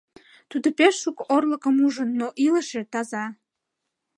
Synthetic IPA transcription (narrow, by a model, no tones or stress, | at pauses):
t̪ud̪opeʃːukorləkəmuʒənːoʔiləʃet̪ɑzɑ